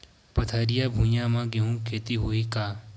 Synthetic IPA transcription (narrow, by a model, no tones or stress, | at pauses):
pɐt̪ʰaːɾijaːbʱũːjãːmãːɡeɦũkʰeːt̪iɦoiːkaː